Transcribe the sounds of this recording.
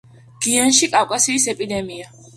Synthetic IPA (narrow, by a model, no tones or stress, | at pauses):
ɡ̥ianʃikʼawkʼasiːsɛpʼid̪ɛmia